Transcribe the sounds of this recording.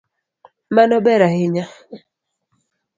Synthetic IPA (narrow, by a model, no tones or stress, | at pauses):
manɔbɛɾahɪɲa